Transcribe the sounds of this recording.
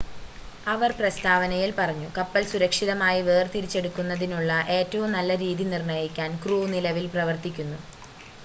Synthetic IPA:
ɐʋɐrprɐst̪ʰaːʋɐnɐjilpɐrɐɲːukɐpːɐlsuɾɐkʂiðɐmaːjiʋeːrt̪iɾit͡ɕːe̞ɽukːunːɐðinuɭːɐʔe̞ːtːɐʋumnɐlːɐɾiːðinirɳɐjikʲːaːnkruːnilɐʋilprɐʋɐrt̪ikʲːunːu

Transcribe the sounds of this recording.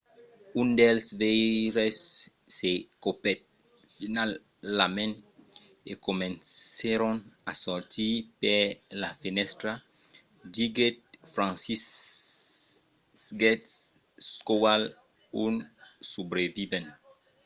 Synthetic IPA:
ũndelsveɾesː | ekopɛt̪̚ | finalː | amẽn | ekomẽnseɾɔ̃nasɔɾt̪ipelafinɛst̪ɾa | diɡet̪̚fɾãnsis | ɡɛt | skowal | unsubɾevivɛ̃n

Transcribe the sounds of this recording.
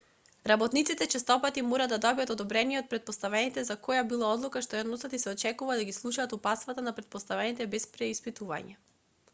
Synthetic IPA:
ɾabɔt̪nit̪sit̪ɛt͡ʃɛst̪ɔpat̪imɔɾad̪ad̪ɔbijat̪od̪ɔbɾɛnijɛɔt̪̚pɾɛt̪̚pɔst̪avɛnit̪ɛzakɔjabilˠaɔd̪lˠukaʃt̪ɔjad̪nɔsat̪isɛɔt͡ʃɛkuvad̪aɡislˠuʃaːt̪upat̪st̪vat̪anapɾɛt̪̚pɔst̪avɛnit̪ɛbɛspɾɛispit̪uva̰ɲɛ

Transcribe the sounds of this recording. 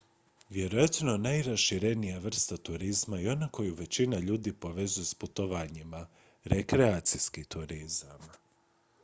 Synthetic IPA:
ʋje̞ɾo̞jat̪nonajɾasʃiɾe̞nijaʋr̩st̪at̪uɾizmaio̞nako̞juʋe̞t͡ɕinaʎuːd̪ipo̞ʋe̞zujusput̪oʋaɲima | ɾe̞kɾeaːt̪siskit̪uɾizam

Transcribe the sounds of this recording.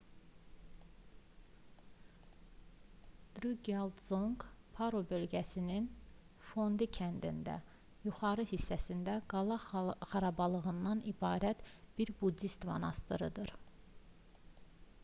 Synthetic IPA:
d̪̥ɾuɡeld̪zoŋkpʰɑɾobø̞lɟæsinin | fo̞nd̪icʰænd̪ḭnd̪æ̰ | juχɑɾɯhisːæsind̪æɡɑlˠɑχɑɾɑbɑlˠɯɣɯnd̪ɑnibɑːɾæt̪b̥iɾbud̪ist̪vɑ̰nɑ̰st̪ɯɾɯd̪ɯɾ

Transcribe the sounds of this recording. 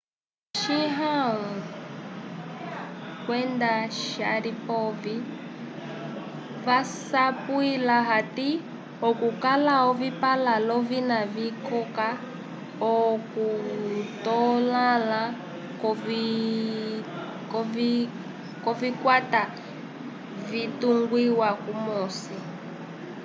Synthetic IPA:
ʃiɦau | kwɛndaʃaɾipɔvi | vasapwilaɦati | ɔkukalaɔvipalalɔvinavikɔka | ɔkutɔlala | kɔ | kɔvi | kɔvikwata | vituŋɡwiwakumɔsi

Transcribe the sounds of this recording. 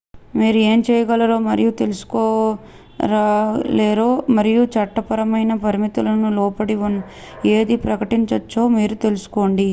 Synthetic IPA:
miːɾue̞ːmt͡ʃɛːjɐɡɐlɐɾo̞ːmɐɾijut̪e̞lusu̥koː | ɾaːleːɾoːmɐɾijut͡ʃɐʈːɐpɐɾɐmɐjnɐpɐɾimit̪ulɐnulɔːpɐɽiʋɐn | e̞ːd̪ipɾɐkɐʈiɲt͡ʃɐt͡ʃːo̞ːmiːɾut̪e̞lusu̥ko̞ːɳɖi

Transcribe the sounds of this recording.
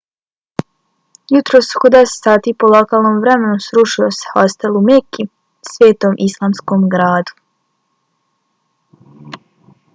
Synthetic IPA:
jut̪ɾo̞ːskod̪ese̥t̪saːt̪iːpolˠokaːlˠnoːmʋɾemenusɾuʃiose̥hast̪elˠumeki | sʋeːt̪omʔislˠaːmsko̞ːmɡɾaːd̪u̥

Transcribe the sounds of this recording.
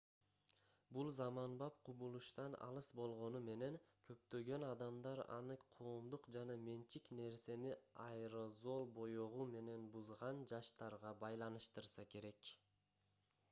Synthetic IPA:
bulˠzɑmɑnbɑp̚qʰubulˠuʃt̪ɑnɑ̰lˠɯsbo̞lˠʁo̞nume̞ne̞ŋkʰø̞p̚t̪ø̞ɡø̞nɑd̪ɑmd̪ɑɾɑ̰nɯqʰo̞ːmd̪uqd͡ʒɑnɑme̞nt͡ʃikne̞ɾse̞niɑjɾozo̞lˠbo̞joʁume̞ne̞nbuzʁɑnd͡ʒɑʃt̪ɑɾʁɑbɑjlˠɑnɯʃt̪ɯɾsɑke̞ɾe̞k

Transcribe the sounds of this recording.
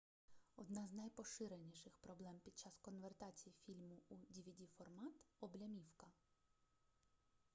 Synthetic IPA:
ɔd̪nɑznɐjpɔʃɪɾenʲiʃɪxpɾɔblˠɛmpʲid̪̚t͡ʃɑskɔnʋert̪ɑt͡sʲijifʲilʲmʊudʲiʋʲidʲifɔrmɑt̪ɔblʲɐmʲiwkɐ

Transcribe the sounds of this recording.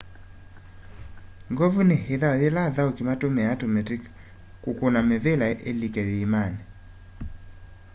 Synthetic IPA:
ŋɡɔvuneheðaɔðelaðaokimatomɛatomɛtik | kukonamɛvelaʔelikɛðeimane

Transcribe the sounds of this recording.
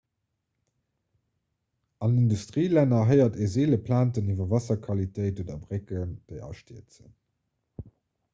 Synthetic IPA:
ɑnindustʁiːlænɐɦɜɪɐtʰezeːləpʰlaːntənivɐvɑsɐkʰɑlitʰeɪtudɐbʁekənd̥eɪɑ̰ʃtiət͡sə̰n

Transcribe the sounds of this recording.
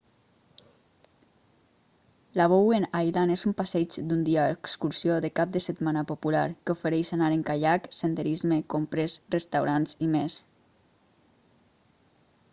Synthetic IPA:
laβ̞owenajlanezumpasɛd͡ʒd̪und̪iaːekskuɾsijoðekap̚d̪əset̪manapopula̰ɾkeofeɾɛjʃanaɾeŋkaʎaksend̪eɾizmekompɾesrest̪awɾanzimes

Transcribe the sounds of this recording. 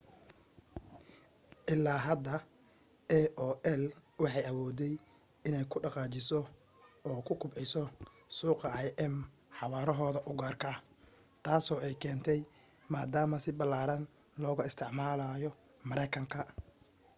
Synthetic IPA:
ʔɪlːaːɦɐd̪ɐ | ɛʔɔːʔɛlwɑħɑjɐwɔːd̪ɛj | ɪnɛjkʰʊɖɑqɑːt͡ʃɪsɔ | ɔːkʰʊkʰʊbʕɪsɔ | suːqɐʔajʔɛm | ħɑwaːɾɔɦɔːðɐʔʊɡaːrkʰɐ | t̪ʰaːsɔːɛjkʰɛːnt̪ʰɛj | maːd̪aːmɐsɪbɐlːaːɾɐn | lɔːɣʊɪst̪ʰɪʕmaːlajɔ | mɐɾɛjkʰɐŋkʰɐ

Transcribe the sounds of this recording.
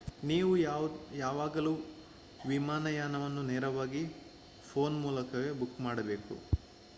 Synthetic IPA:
niːʋujaːʋaːɡɐluː | ʋimaːnɐjaːnɐʋɐnːuneːɾɐʋaːɡi | pʰo̞ːnmuːlɐkɐɡebukːmaːɽɐbe̞ːkṵ

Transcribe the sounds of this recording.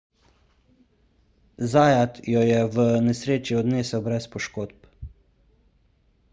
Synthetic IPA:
zaːjat̪jɔjɛʋənɛsɾeːt͡ʃiɔd̪neːsəwbɾɛspɔʃkoːt̪p

